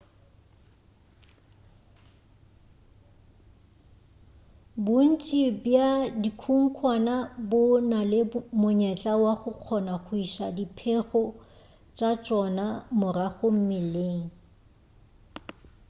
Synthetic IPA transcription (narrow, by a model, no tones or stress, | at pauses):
bʊn̩t͡ʃʼibjadikʰuŋ̩kʰwanabʊnalɪmʊɲɛt͡ɬʼawaχʊq͡χʰɔnaχʊiʃadipʰeχɔ | t͡ʃʼat͡ʃʼɔnamʊraɣʊm̩mɪleːŋ̩